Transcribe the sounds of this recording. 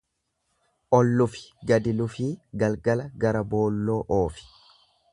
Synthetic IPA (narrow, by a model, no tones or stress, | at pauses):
ʔɔlːʊfɪ̥ɡɐd̪ɪlʊfiːɡɐlɡɐlɐɡɐɾɐbo̞ːlːo̞ːʔoːfɪ̥